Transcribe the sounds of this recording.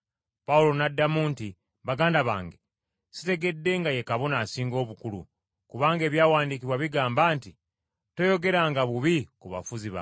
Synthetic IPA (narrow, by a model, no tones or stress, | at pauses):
paulo̞nadːamuːnti | βaɡaːndaβa̰ːŋɡe̞ | site̞ɡe̞dːe̞ŋɡaje̞kaβo̞naːsiːŋɡo̞ːβukulṵ | kuβaːŋɡe̞ːβjaːwaːndik̬iβwaβiɡaːmbaːnti | to̞jo̞ɡe̞ɾaŋɡaβuβikuβa̰fuziβa̰